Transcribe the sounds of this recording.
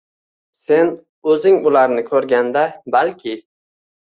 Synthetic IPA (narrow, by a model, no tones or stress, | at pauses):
se̞n | ɵzɪŋʊlaɾnɪkʰɵɾɡʲand̪abalkʲʰɪ